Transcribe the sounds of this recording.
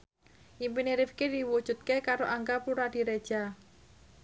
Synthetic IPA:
ʔimpineɾifkidiwud̥ʒ̥ṳt̪̚kekaɾoʔaŋkapuɾad̥i̤ɾed̥ʒ̥a

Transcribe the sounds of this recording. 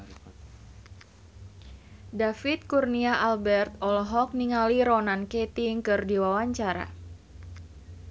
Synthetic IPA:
dafit̪̚kurniaʔalbɛrt̪ɔlɦɔk̚niŋaliɾɔnankɛt̪iŋkɨrdiwawaɲt͡ʃaɾa̰

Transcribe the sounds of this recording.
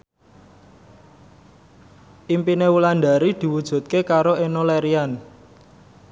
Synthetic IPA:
ʔimpinewuland̪a̤ɾid̪̥i̤wud̥ʒ̥ṳt̪̚kekaɾoenolɛɾian

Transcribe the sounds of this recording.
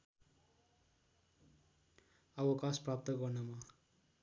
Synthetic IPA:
ʌbʌkasprap̚t̪ʌɡʌrnʌma

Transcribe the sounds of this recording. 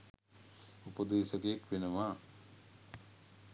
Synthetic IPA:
upəd̪eːsəkejekʋenəʋaː

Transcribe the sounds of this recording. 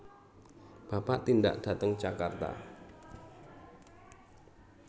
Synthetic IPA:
b̥apaʔt̪inda̰ʔd̥a̤t̪əŋd͡ʒakart̪a̰

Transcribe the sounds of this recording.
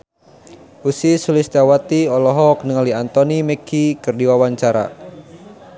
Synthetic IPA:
ʔusisulist̪awat̪iɔlɔɦɔk̚nəŋaliant̪ɔnimɛkʰikɨrdiwawaɲt͡ʃaɾa̰

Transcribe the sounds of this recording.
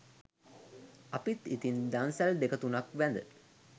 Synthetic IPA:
apit̪it̪ind̪ansæld̪ekət̪unakʋænd̪ə

